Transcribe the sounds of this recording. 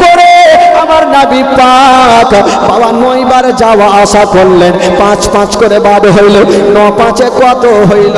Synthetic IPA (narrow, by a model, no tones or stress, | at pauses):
koɾeamaɾnabipak | bawanojbaɾed͡ʒawaaʃakoɾlen | pãt͡ɕpãt͡ɕkoɾebad̪eɦojlenɔpãt͡ɕekoat̪oɦojlo